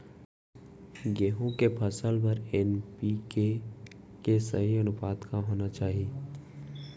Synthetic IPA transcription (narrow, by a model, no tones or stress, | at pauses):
ɡeːɦõkepʰəsəlpɐɾɛnpike | kesɐɦiɐnʊpaːd̪kaɦoːnat͡ʃaːɦieː